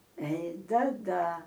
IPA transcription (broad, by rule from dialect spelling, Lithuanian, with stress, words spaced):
ɛɪ ˈdɐ ˈdɐ